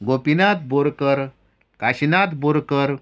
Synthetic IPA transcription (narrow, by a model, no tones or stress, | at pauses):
ɡopinat̪̚boɾkəɾ | kaɕinat̪boɾkəɾ